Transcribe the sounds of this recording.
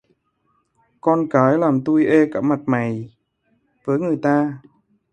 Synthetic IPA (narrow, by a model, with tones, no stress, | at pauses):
kɔː˧nkaː˨˦jlaː˨˩mt̪u˧jʔeː˧kaː˧˩p̚ma˨˩t̚ma˨˩j | vəː˨˦jŋɨ˨˩jt̪aː˧